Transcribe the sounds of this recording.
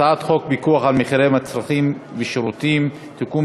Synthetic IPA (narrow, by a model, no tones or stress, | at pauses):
aat̪χok̚bikuaχalmeχiʁemat͡sʁaχimveʃeɾut̪im | t̪ikum